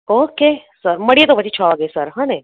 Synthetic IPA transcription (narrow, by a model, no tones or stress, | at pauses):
oːke | səɾməɽiet̪opət͡ʃʰit͡ʃʰɔʋaɡəesəɾɦãːne